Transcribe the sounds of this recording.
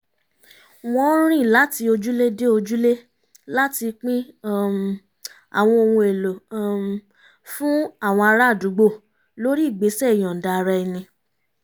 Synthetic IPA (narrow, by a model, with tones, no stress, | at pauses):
w̃ɔ̃˦ɾ̃ĩ˦˨la˨˦ti˧o˧d͡ʒu˦le˦de˦o˧d͡ʒu˦le˦ | la˦ti˧k͡pĩ˦˨ | a̰˨w̃ɔ̃˧o˧wũ˧e˨lo˨ | fũ˦a˦˨w̃ɔ̃˧a˧ɾa˦˨du˨˦ɡ͡bo˦˨ | lo˦ɾi˦˨ɡ͡be˨˦sɛ˦i˨j̃ɔ̃˨da˧ɾa˧i˧nĩ˧